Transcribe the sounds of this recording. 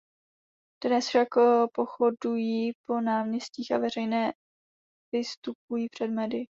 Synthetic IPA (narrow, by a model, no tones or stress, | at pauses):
d̥nɛsfʃakpo̞xo̞dujiːpo̞naːmɲɛsciːxavɛrɛjnɛː | vɪst̪up̚ujiːpr̝̥ɛdmɛdɪ